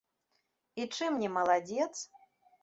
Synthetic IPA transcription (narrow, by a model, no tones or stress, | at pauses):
it͡ʂɨmnʲɛmɐlˠad͡zʲɛt̪s